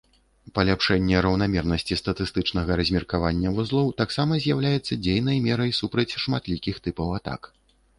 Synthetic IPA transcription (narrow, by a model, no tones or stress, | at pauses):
pɐlʲapʂɛnʲːɛɾɐwnamʲɛrnɐsʲt͡sʲist̪ɐt̪ɨst̪ɨt͡ʂn̪ɐɣɐɾɐzʲmʲɛrkavanʲːɐvuzlˠɔwt̪aksamɐzʲjawlʲajɛt̪sːɐd͡zʲejn̪ɐjmʲɛɾɐjsupɾɐt͡sʲʂmat̪lʲikʲixt̪ɨpɐwat̪a̰k